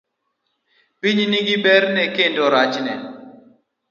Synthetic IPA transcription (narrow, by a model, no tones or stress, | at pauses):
piɲniɡibɛɾnɛkendoɾat͡ʃnɛ